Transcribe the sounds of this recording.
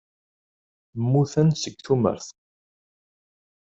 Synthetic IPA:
mːuθənsəɡθumə̰ɾθ

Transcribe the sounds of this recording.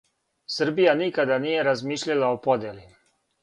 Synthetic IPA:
sr̩bijanikad̪anije̞ɾazmiːʃʎalˠaopo̞d̪jeli

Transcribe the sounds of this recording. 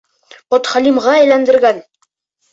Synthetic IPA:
pɒt̪χælimʁɑæjlænd̪ɘ̆ɾɡæn

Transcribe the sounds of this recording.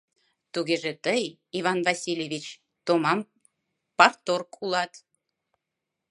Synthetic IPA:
t̪uɣeʒet̪əj | iβɑnvɑsʲilʲjevit͡ɕ | t̪omɑm | pɑrt̪orkʰulɑt̪

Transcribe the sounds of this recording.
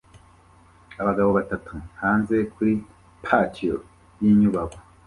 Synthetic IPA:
aβaɡaβoβatatʰuhaːnze̞kʰuɾi | pʰat͡ʃʰio | jiːɲuβaɡo

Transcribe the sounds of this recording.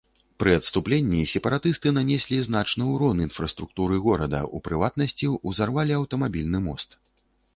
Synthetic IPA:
pɾɨɐt̪st̪uplʲenʲːisʲɛpɐɾat̪ɨst̪ɨnanʲɛsʲlʲiznat͡ʂnɨwɾɔninfɾɐst̪ɾuk̚t̪uɾɨɣɔɾɐd̪ɐ̰ʔupɾɨvat̪̚nɐsʲt͡sʲiuzarvalʲiɐwt̪ɐmabʲilʲnɨmɔ̰st̪

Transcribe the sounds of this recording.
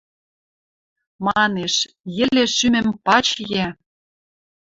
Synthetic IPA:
mɑneʃ | jɘ̆lĕʃymɘ̆mpɑt͡ɕjæ

